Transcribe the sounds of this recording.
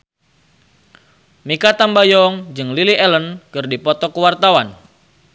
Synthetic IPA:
mikat̪ambajɔŋd͡ʒɨŋliliʔɛlənkɨrdipɔt̪ɔkəwart̪awan

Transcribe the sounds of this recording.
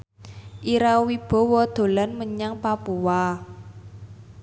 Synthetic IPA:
ʔiɾawib̥ɔ̤wɔd̪̥o̤lanməɲaŋpapuwa

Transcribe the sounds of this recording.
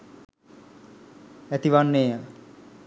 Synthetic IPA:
æt̪iʋanːeːjə

